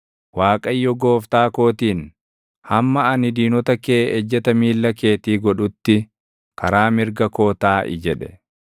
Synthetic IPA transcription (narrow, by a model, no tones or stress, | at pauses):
waːkʼɐjːɔɡoːft̪aːko̞ːt̪iːn | hɐmːɐɐnɪd̪iːnɔt̪ɐke̞ːd͡ʒːɐt̪ɐmiːlːɐke̞ːt̪iːɡɔᶑʊt̪ːɪ | kɐɾaːmɪɾɡɐko̞ːt̪aːʔɪ̰d͡ʒɛᶑɛ